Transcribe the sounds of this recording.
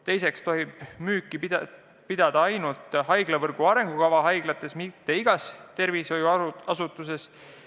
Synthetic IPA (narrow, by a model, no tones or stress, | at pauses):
t̪e̞jse̞kst̪o̞ɦib̥myːkːˑi | pid̪̥ɑd̪̥ɑɑjnult̪ˑɦɑjɡ̥lɑvɤrɡ̥uɑɾe̞ŋɡ̥ukɑvɑɦɑjɡ̥lɑt̪ˑːe̞smit̪ːe̞iɡ̥ɑst̪e̞rviso̞juɑsut̪ːˑuse̞s